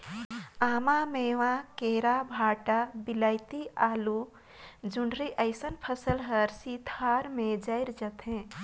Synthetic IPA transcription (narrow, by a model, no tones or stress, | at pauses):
aːmameːʋãkeːɾabʱaːʈabiləɪt̪iaːlu | d͡ʒuɳɖɾiʔəɪsənpʰəsəlɦəɾsit̪ʰaɾmẽd͡ʒəɪɾd͡ʒət̪ɦɛ̃